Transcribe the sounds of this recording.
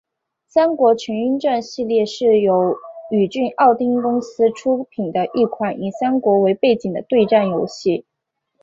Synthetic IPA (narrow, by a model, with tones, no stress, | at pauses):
ɕa˥ŋkwɔ˧˥t͡ɕʰy˧˥ny˥nʈ͡ʂa˥˧nɕi˥˧ljɛ˥˧ʂɻ̩˥˩jo˧˥ʊy˨˩t͡ɕy˥˧nʔɑ˥˩ʊt̪i˥ŋkʊ˥ŋsɹ̩˥ʈ͡ʂʰu˥pʰi˨˩nd̪ə˦ʔi˥˩kʰwa˨˩˦ni˨˩ɕa˥ŋkwɔ˧˥we˧˥ɪpe˥˩ɪt͡ɕi˨˩ŋd̪ə̰˦t̪we˥˧ɪʈ͡ʂa˥˩njo˧˥ʊɕi˥˩